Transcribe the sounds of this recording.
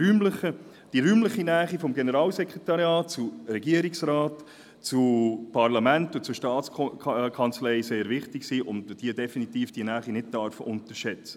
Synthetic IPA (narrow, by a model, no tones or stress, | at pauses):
yːmləχə | d̥iɾyːmləχinæːχifɔmɡenəɾɑːlsɛkʁetɑɾjɑːt̚t͡suɾɛɡiəɾiksɾɑːt | t͡supʰɑɾlɑmæntʊt͡suʃtɑːt͡skʰɑnt͡slɛɪseːɾʋɪχtɪksiːʔʊntd̥iədɛfinitiːfd̥iənæːχinɪt̚d̥œɾfəʔʊnt̪əɾʃɛt͡sə̥